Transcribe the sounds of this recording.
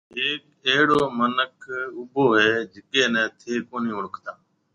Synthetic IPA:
ɦeːk̚ | eːɽoːmənəkʰʊboːɦeːd͡ʒɪkeːnɛ̃ːt̪ʰeːkoːnĩːʊɽəkʰt̪aː

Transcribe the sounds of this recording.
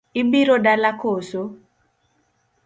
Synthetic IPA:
ibiɾodalakoso

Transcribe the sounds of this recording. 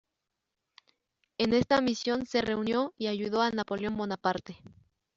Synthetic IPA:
ene̞st̪amisjo̞nse̞re̞unjo̞iaʝuðo̞anapo̞ljo̞mbo̞napaɾt̪e̞

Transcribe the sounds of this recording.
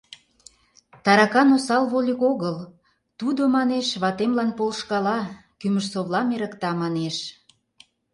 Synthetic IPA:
t̪ɑɾɑkɑnosɑlβolʲikoɣəl | t̪ud̪omɑneʃβɑt̪emlɑnpolʃkɑlɑ | kyməʃsoβlɑmeɾə̆kt̪ɑmɑneʃ

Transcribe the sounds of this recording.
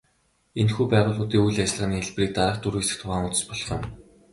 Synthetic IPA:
enxuːpæːʁʊːɮʊːt̪iːujɮat͡ɕɪ̆ɮʁaːniːxeɮpriːk̚t̪aɾăːχt̪uɾesɘ̆xt̪ʰʊʁaːŋʊt͡sə̥̆spɔɮχɞ̰̆n

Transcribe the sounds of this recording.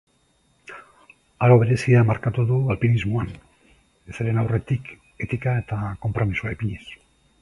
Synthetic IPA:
aɾo̞βe̞ɾe̞siamaɾkat̪uðualpinizmoan | eseɾenawre̞t̪ik | e̞t̪ikae̞t̪ako̞mpɾo̞misuaepiɲes

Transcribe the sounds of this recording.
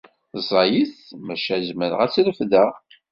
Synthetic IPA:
zˤɑjiθmæʃæzməɾəʁæt͡sːləfðæ

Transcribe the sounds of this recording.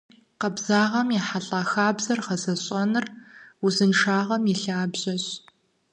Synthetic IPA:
qɐbzaːʁɐmjɛħaɬʼaːxaːbzɐrχɐzɐɕʼɐnɨruzɨnʂaːʁɐmjɛɬaːbʑɐɕ

